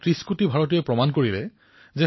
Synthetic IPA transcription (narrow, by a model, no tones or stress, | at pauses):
tɹiskutibʱaɹɔt̬ijɔpɹɔmankoɹilɛ̰ | zɛ